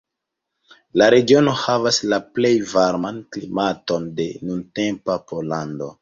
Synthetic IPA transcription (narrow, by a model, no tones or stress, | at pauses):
laɾe̞ɡio̞no̞havaslaple̞jvaɾmanklimato̞nde̞nunte̞mpapolando̞